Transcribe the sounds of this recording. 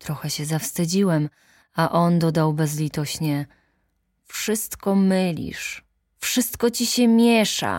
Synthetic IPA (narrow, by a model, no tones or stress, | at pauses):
t̪ɾɔxɛɕɛzafst̪ɘd͡ʑiwɛm | aʔɔnd̪ɔd̪awbɛzlʲit̪ɔɕɲɛ | fʂɘst̪kɔmɘlʲḭʂ | fʂɘst̪kɔt͡ɕiɕɛmʲjɛʂa̰